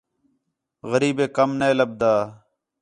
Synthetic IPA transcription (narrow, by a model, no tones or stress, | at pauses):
ɣəɾiːbeːkəmneːləb̚d̪aː